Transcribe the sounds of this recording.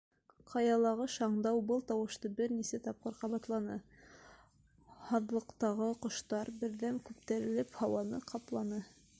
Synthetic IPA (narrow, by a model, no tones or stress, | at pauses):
qʰɑjɑlˠɑʁɤʃɑɴd̪ɑwbɤlˠt̪ɑwɤ̆ʃt̪ɤbɘɾnisæt̪ɑp̚qɤɾqɑβɑt̪lˠɑnɤ | hɑðlˠɤ̆qt̪ɑʁɤqŏʃt̪ɑɾbɘ̆ɾðæmkʉp̚t̪æɾɘ̆lɘphɑwɑnɤqʰɑplˠɑnɤ